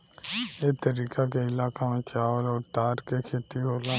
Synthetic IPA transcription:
eːt̪əɾiːkakeɪlaːkamẽt͡ʃaːʋəlɔːɾt̪aːɾkekʰeːt̪iɦoːlã

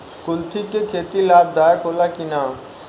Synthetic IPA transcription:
kʊlt̪ʰikekʰeːt̪ilaːb̚d̪aːjəkoːlakinaː

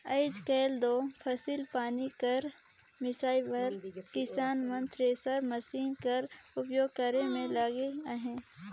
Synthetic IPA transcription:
ɐɪd͡ʒkɛːld̪oːpʰɐsilpaːnikɐɾ | mɪsaːibɐɾkɪsaːnmə̃nt̪ɾeːsəɾmɐsiːnkɐɾʊpjoːɡ̚kəɾẽmẽlaːɡeaɦẽː

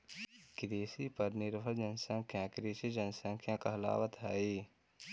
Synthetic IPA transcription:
kɪɾeːsipɐɾnɪɾfəld͡ʒɐnsə̃ŋkʰjãːkɾeːsid͡ʒɐnsə̃ŋkʰjãːkɐɦla̰ːʋət̪ɦaːeː

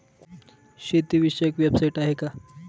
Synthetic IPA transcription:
ɕet̪iʋiɕəekʋjabsajiʈaɦeka

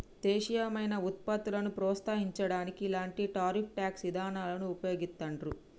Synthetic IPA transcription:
t̪eːʃijɐmɐjnɐut̪̚pɐt̪ulɐnupɾɔːt̪st̪aːɦiɲt͡ʃɐɽaːnikiːlaːɳʈiʈaːɾip̚ʰʈjaːksʋid̪ʱaːnaːlɐnuupɐjo̞ːɡist̪ːɐɳɖɾu

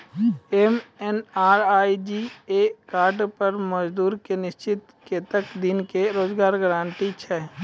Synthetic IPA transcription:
emenaːɾaːid͡ʒiekaːɾɖpəɾməd͡ʒd̪uːɾkenɪʃt͡ʃɪt̪ | ket̪əkd̪ɪnkeɾoːd͡ʒɡaːɾɡəɾãːɳʈit͡ʃʰɛː

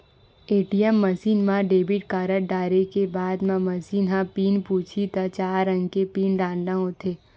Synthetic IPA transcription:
eːʈijɛmːəsiːnmãɖeːbiʈ̚kaːɾəʈɖaːɾekebaːd̪mãmɐsiːnɦãpiːnpuːt͡ʃʰit̪at͡ʃaːɾːə̃ŋɡkepiːnɖaːlnãɦõt̪ʰeː

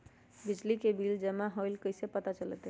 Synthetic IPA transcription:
bid͡ʒlikebʱiːld͡ʒəmaɦɔilkəjsepət̪at͡ʃələ̰t̪ɦɛ

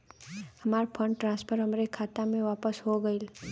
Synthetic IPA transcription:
hɐmaːɾpʰə̃ɳɖʈɾãːspʰəɾɦɐmɾekʰaːt̪amẽʋaːpəsɦoɡəil

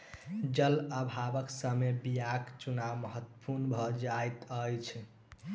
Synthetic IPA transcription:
d͡ʒələbʱabəksəmebijakt͡ʃunawməɦət̪ːə̥puɾnbʱʌd͡ʒajt̪əjt͡ʃʰ

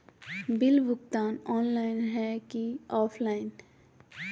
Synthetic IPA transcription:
bɪlʋʊkt̪aːnɔːnlaːɪnɦɛkiɔːpʰlaːɪn

